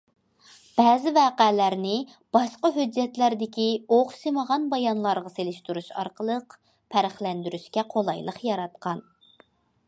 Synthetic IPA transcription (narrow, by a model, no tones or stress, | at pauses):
b̥ɛːzɪvɛːqælæɾnɪ | b̥ɑʃqɑɦød͡ʒːɛt̪læɾd̪ɪkʲioχseməʁɑnbɑjɑnlˠɑɾʁɑselɪʃt̪uɾuʃɑ̰ɾqəlˠəq | pʰæɾɪχlɛnd̪yɾyʃkʲɛqʰolˠɑjlˠəχjɑɾɑt̪̚qʰɑn